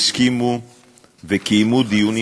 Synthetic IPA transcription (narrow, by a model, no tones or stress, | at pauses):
skimu | vekimud̪iuni